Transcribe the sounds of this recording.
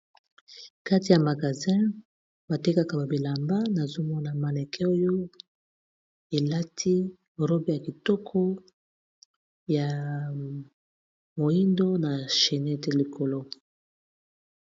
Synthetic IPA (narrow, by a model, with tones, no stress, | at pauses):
ka˦ti˨ja˨ma˨ɡa˨zɛ̃˦ | ba˨te˦ka˦ka˨ba˨bi˨la˨mba˦na˨zo˦mɔ˦na˨ma˨ne˨kʰe˦o˦jo˦ | e˨la˦tʰi˦ | ʁo˦bi˦ja˨ki˨tɔ˦kʰɔ˦ | ja˨ | mo˨i˦ndo˦na˨ʃe˨nɛ˦˨te˦li˨ko˨lo˦